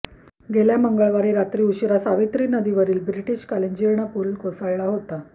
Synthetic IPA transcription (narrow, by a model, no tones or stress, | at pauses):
ɡeljaməŋɡaɭʋaɾiːɾat̪ɾiːuɕɾasaʋit̪ɾiːnəd̪iʋəɾiːlbɾiʈiːɕkaleɲd͡ʑiɾɳapuːlkosaɭɭaɦot̪a